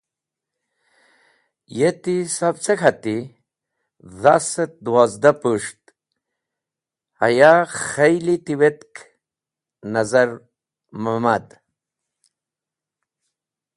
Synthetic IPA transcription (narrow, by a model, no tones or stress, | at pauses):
jet̪isabt͡sekʰat̪i | ðaset̪̚d̪waːzd̪apuʂt̪ | a̰jaχɐjlit̪iwet̪k | nɐzaɾ | mamad̪